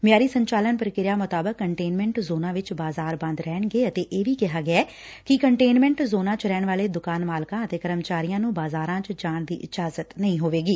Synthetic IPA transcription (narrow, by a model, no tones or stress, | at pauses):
ʋɪjaːɾiːsəɲt͡ʃaːlənpəɾkɪɾjaːmʊt̪aːbəkːəɳʈeːnmɛ̃ɳʈzoːnãːʋɪt͡ʃbaːzaːɾbə̃nd̪ɾɛːɳɡeːət̪eːʔeːʋiːkɪɦaːɡɪaɛː | kɪkəɳʈeːnmɛ̃ːɳʈzoːnãːt͡ʃɾɛːɳʋaːleːd̪ʊkaːnmaːlkãːət̪eːkəɾəmt͡ʃaːɾijãːnũːbaːzaːɾãːt͡ʃd͡ʒaːɳd̪ḭːʔɪd͡ʒaːzət̪nəĩːɦoːʋeːɡiː